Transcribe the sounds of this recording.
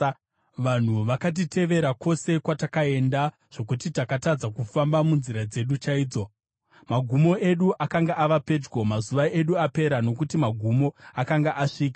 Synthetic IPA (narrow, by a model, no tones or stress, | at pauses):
ʋan̤uʋakat̬itʰe̞ʋe̞ɾakʰo̞se̞kwatakae̞nda | ʐ̥o̞kutitakatad͡zakufambamunziɾad͡ze̞ɗut͡ʃaiːd͡zo̞ | maɡʱumo̞ʔe̞ɗuʔakaŋɡaʔaʋape̞d͡ʒɡo̞mazuʋaʔe̞ɗuape̞ɾano̞kutimaɡʱumo̞akaŋɡaʔaʂiːke